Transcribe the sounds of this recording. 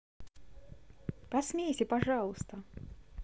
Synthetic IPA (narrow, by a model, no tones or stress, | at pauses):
pɐsmʲejsʲɪpɐʐɑlˠəst̪ə